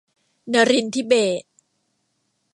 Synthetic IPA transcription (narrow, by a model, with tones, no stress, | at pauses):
na˧ɾi˧nt̪ʰiː˦˥˩beː˨˩